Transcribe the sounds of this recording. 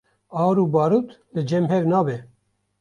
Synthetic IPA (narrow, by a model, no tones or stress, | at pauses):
ɑːɾuːbɑːɾuːt̪ʰlɨd͡ʒɛmɦɛɾnɑːbɛ